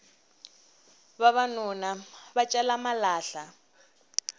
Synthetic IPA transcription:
βaβanunaβat͡ʃʼɛlamalaːɬa

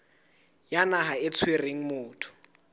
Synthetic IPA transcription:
janaɦaɪt͡sʰwereŋ̩mʊːtʰʊ̥

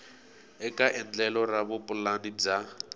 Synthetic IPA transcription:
ɛkʼaʔɪn̩d͡ɮɛlɔraβʊpʼʊlanid͡za

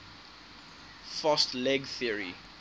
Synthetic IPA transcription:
fɔstlɛɡθiəɹḭ

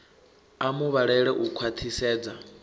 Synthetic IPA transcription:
amuβaɺɛɺɛʔukʰwat̪ʰisɛːd͡za

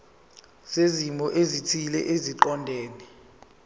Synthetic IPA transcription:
z̥ezimɔʔezitʰilɛʔeziǃɔndʱeːnɛ

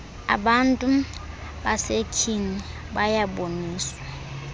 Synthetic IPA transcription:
a̰ɓantʼu | basekʰini | bajaboniːswwa

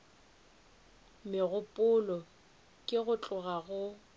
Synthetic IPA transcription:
mɪɣʊpʼʊlɔ | kʼɪɣʊt͡ɬʼʊɣaɣʊ

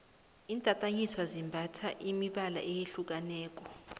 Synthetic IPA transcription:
intʼatʼaɲiswazimbʱatʰaʔimiɓala̰ʔejeɬuk̬ʼanɛːk̬ʼɔ

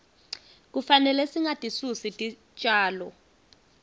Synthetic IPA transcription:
k̬ufanɛlɛsiŋatʼisusitʼi | t͡ʃʼaːlɔ

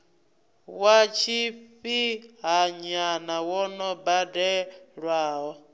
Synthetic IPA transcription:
wat͡ʃiɸiɦaɲanawɔnɔbadɛɺwaːɦɔ

